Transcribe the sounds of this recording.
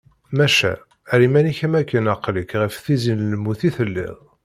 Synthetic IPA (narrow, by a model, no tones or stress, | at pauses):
mæʃæ̰ | ɾimæniçæmækːənɑqləkʁəfθizinləmːuθiθəlːɪ̰ðˤ